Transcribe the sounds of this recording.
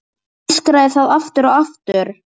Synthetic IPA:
skɾaðɪθaðaft̪ʏɾɔɣaft̪ʏɾ̥

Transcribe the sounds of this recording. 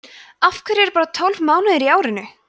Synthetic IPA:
afkʰɛɾɛɾpaːɾat̪ʰɔlvmaːwnaðɪɾiaːwɾɪnːʏ

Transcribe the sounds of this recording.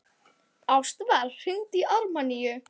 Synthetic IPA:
awst̪vaɾr̥ʏŋt̪iʔaɾmanijʏ

